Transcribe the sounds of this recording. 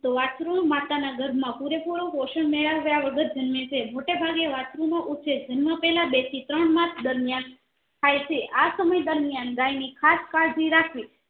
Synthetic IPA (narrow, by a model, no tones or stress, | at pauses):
t̪oʋat͡ʃɾumat̪anaɡəɾmãpuɾepoɾokoʃəɳmeɭəʋjaʋəɡəɾd͡ʒənmẽt͡ʃʰemoʈebʱaɡeʋat͡ʃɾumãʔut͡ʃʰed͡ʒənməpɛɦlabet̪ʰit̪ɾəɳmãt̪ʰd̪əɾmijan | tʰajt͡ʃʰeʔasəməjd̪əɾmijanɾajnikʰaskaɭd͡ʒiɾakʰi